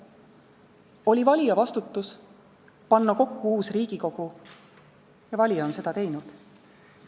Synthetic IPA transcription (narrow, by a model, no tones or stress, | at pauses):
o̞lʲivɑlʲijɑvɑst̪ut̪ːˑus | pɑnːɑko̞kːuuːsriːɡ̥iko̞ɡ̥u | jɑvɑlʲijɑonse̞d̪̥ɑt̪e̞jnud̪̥